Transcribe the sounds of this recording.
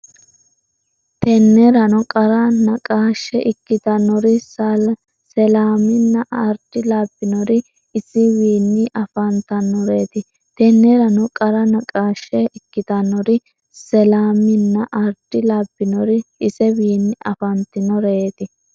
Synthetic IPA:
t̪ɛnːɛɾɐnɔkʼɐɾɐnɐkʼaːʃɛʔɪkːɪt̪ɐnːɔɾɪs | sɛlaːmɪnːɐʔɐɾd̪̥ɪlaːbːɪnɔɾɪ | ɪsɪwiːnːɪʔɐfɐnt̪ɐnːɔɾe̞ːt̪ɪ | t̪ɛnːɛɾɐnɔkʼɐɾɐnɐkʼaːʃːɛɪkːɪt̪ɐnːɔɾɪ | sɛlaːmɪnːɐʔɐɾd̪̥ɪlaːbːɪnɔɾɪɪsɛwiːnːɪʔɐfɐnt̪ɪnɔɾeːt̪ɪ

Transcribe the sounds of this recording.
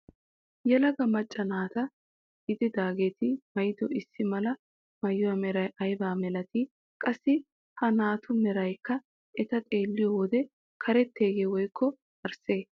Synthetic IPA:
jɛlɐɡɐmɐt͡ʃʼːɐnaːt̪ɐ | ɡɪd̪ɪd̪aːɡe̞ːt̪ɪmɐjɪd̪ɔʔɪsːɪmɐlɐ | mɐjʊwɐmɛɾɐjʔɐjbaːmɛlɐt̪ɪ | kʼɐsːɪ | hɐnaːt̪ʰʊmɛɾɐjkːɐ | ʔɛt̪ɐt̪ʼeːlːɪjɔwɔd̪ɛ | kʰɐɾɛt̪ːe̞ːɡeːwɔjkʰːɔ | ɐɾse̞ː

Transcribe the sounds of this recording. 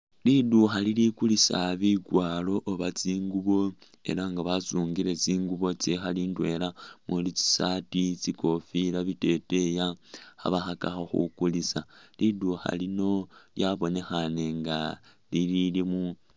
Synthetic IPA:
liduxalilikulisaβiɡwaːlo̞ʔːβat͡siːŋɡuβo̞ | e̞̰laŋɡaβasuːŋɡiɾe̞t͡siːŋɡuβo̞t͡sixaliːndwe̞lamulit͡si̥satit͡siko̞filaβite̞te̞jaa̰βaxakaxoxṵkulisaliduxa̰lino̞ljaβo̞ne̞xane̞ŋɡa | lililimu

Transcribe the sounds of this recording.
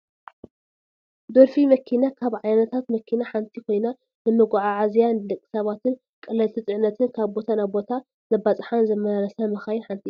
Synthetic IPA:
d̪oɾfimɐkʰinakʰaβʕajnɐt̪ʰat̪mɐkʰinaħant̪ʰikʰo̞jna | nɨmɨɡʕaʕazjand̪ɨkʼːɨ̥sɐβat̪ʰɨn | kʼɨlɐlt̪ʰɨt͡s̪ʼɨʕnɐt̪ʰɨnkʰaβbo̞t̪ʰanaβbo̞t̪ʰa | nɐbat͡sʼħanzɐmɐɾaɾɐsɐmɐxajiħant̪ʰi

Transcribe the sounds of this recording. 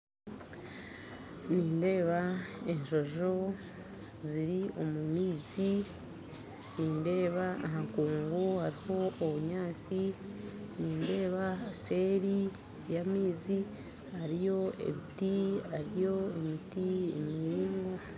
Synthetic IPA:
niːnde̞ːβae̞ɲʃo̞ʒo̞ | ziɾio̞mumiːzi | niːnde̞ːβaːɦaŋkuːŋɡohaɾiho̞ːβuɲaːt͡si | niːnde̞ːβase̞ːɾi | jamiːzi | haɾijo̞ḛβitiaɾijo̞emitiḛmiːŋɡo

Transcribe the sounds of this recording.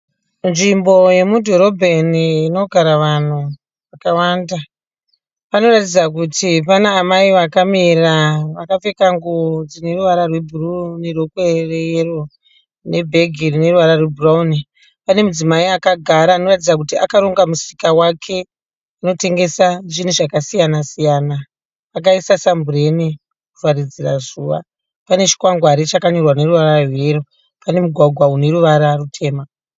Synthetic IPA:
nʐimbo̞je̞mudʱo̞ɾo̞bʱeniːno̞ɡʱaɾaʋan̤u | ʋakawanda | pano̞ratid͡zak̬utʰipanaːmaiʋakamiraʋakafe̞kaŋɡod͡zine̞ruʋaɾarwe̞bʱurunerokwerejero | ne̞bʱe̞ɡʱirine̞ruʋaɾarwe̞bʱurauni | pane̞mud͡zimaiakaɡʱaɾaːno̞ratid͡zak̬utiakaɾo̞ŋɡamusi̥kawakʰe̞ | ano̞te̞ŋɡe̞saʐin̤uʐakasijanasijanaː | k̬aisasambure̞ni | kurwarid͡zirazuʋa̰ | pane̞t͡ʃi̥kwaŋɡwaɾit͡ʃakaɲo̞rwane̞ɾuʋaɾarweɾo | pane̞muɡʱwaɡʱwaune̞ɾuʋaɾarutʰe̞ːma

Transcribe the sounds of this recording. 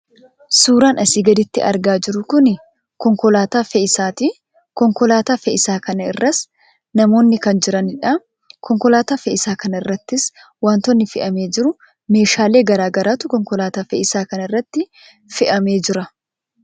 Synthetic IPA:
suːɾaːnɐsiːɡɐd̪ɪt̪ːɪ̰ɐ̰ɾɡaːd͡ʒɪɾʊkʊnɪ | kɔŋkɔlaːt̪aːfɛɪsaːt̪i | kɔŋkɔlaːt̪aːfɛʔɪsaːkɐnɐɪrːɐs | nɐmo̞ːnːɪkɐnd͡ʒɪɾɐnɪᶑɐ | kɔŋkɔlaːt̪aːfɛʔɪsaːkɐnɐɪrːɐt̪ːɪs | waːnt̪ɔnːɪfɪʔɐme̞ːd͡ʒɪɾʊ | me̞ːʃaːle̞ːɡɐɾaːɡɐɾaːt̪ʊkɔŋkɔlaːt̪aːfɛʔɪsaːkɐnɐɪrːɐt̪ːɪ | fɪʔɐme̞ːd͡ʒɪɾɐ

